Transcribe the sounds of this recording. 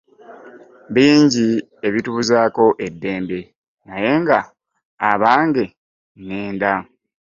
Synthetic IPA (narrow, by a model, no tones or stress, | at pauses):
βiːɲɟi | e̞βituːzaːko̞ʔe̞dːe̞ːmbe̞ | naje̞ŋɡaː | βaːŋɡe̞ | neːnda